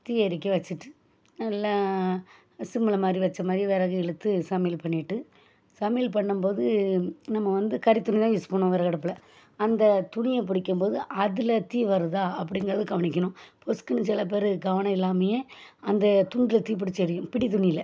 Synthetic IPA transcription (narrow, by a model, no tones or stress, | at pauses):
t̪iːɛɾɪk̬ːɐʋɐt͡ʃːɯʈːɯ̥ | nɐlːaː | sɪmːɐɭɐmaːd̪ɾiʋɐt͡ʃːɐmaːðɾiʋeːɾaːɣɐɛɭɯt̪ːɯsɐmeːlpɐɳːɪʈːɯ | sɐmeːlpɐɳːɯmpoːðɯnɐmːɐʋɐnd̪ɯkɐɾɪt̪ːʊnɪt̪ãːʋɪspɐːɳʊ̃ʋɛːɾɐkɐɽɐpːɪlɐ | ɐnd̪ɐt̪ʊɳɪjɐp̬ɪɽɪkʲːɯmpoːðɯʔɐðɪlɐt̪iːʋɐɾɯðaːɐp̬ːɐɽɪŋɡɐɾɐðɯɡɐʋɐɳɪk̬ʲːɐɳʊ̃pɔskɯnɯsɪlːɐp̬eːɾɯɡɐʋɐɳɐ̃ɪlːaːmɐjeːɐnd̪ɐt̪ʊɳɖɪlɐt̪iːp̬ɪɽɪt͡ʃːɛɾɪjʊ̃pɪɽit̪ʊɳɪjɪlɐ